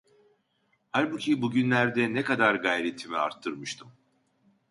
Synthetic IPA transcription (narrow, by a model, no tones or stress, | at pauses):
haɾbucʰibuɟynlʲæɾd̪ɛnɛkad̪aɾɡajɾet̪ʰːimia̰ɾt̪ʰːɯɾmɯʃt̪ʰɯm